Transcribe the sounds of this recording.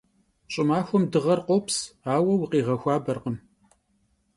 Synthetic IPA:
ɕʼɪmaːxʷɔmdɨʁɐrqʷʼɔpsaːwɐwʊqiːʁɐxʷaːbɐrqəm

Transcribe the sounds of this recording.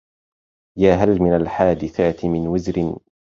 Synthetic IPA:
jaːɦalmɪnalħaːd̪ɪθaːt̪ɪmɪnwɪzɾɪn

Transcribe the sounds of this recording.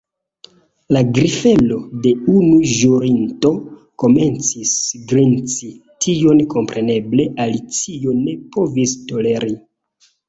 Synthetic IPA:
laɡɾife̞lo̞de̞unuʒuɾinto̞ | ko̞me̞nt͡sisɡɾint͡sitʰio̞nko̞mpɾʔe̞ne̞ble̞ʔalit͡sione̞po̞visto̞le̞ɾi

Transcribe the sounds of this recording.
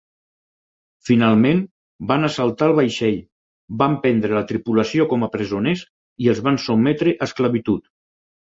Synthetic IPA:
finalˠmẽn | banəsalˠt̪aəlˠβajʃɛʎ | bampɛnd̪ɾelət̪ɾipuləsiokɔməpɾəzones | iəlˠzβansumɛt̪ɾeʔəskləβit̪ut̪

